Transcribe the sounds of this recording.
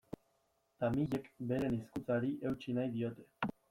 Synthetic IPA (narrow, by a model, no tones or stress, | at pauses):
t̪amiʎe̞kbe̞ɾe̞niskut͡saɾiʔe̞wt͡ʃinajðio̞t̪e̞̥